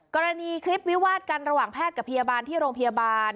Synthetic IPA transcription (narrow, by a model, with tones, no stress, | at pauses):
kɔː˧ɾa˧niː˧kʰɾi˦˥p̚wi˦˥waː˥˩t̪̚ka˧nɾa˧waː˨˩ŋpʰɛː˥˩t̪̚ka˨˩pʰa˧jaː˧baː˧nt̪ʰiː˥˩ɾoː˧ŋpʰa˧jaː˧baː˧n